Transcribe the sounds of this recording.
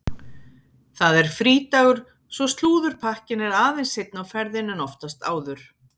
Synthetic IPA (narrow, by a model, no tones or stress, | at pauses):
θaðɛɾ̥fɾiːt̪aɣʏɾ̥ | svɔst̪luːðʏɾ̥pʰahcɪnɛɾaːðejnsɪjt̪̚nawfɛɾðɪnːʏnɔft̪ast̪a̰ːwðʏɾ̥